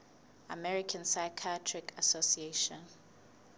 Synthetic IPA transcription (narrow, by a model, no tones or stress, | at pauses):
amɛɹikʰãnsajkʰatʰɹikʰasosieʃɔ̃n